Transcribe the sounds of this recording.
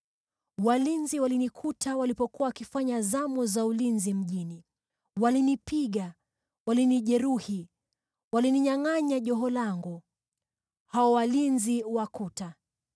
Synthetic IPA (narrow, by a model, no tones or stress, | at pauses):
walinziwalinikʰutʰawalipɔkuwawakifaɲazamɔzaulinzim̩ʄini | walinipiɠa | waliniʄɛɾuhi | waliniɲaŋaɲaʄɔɦɔlaŋɡu | haɔwalinziwakuta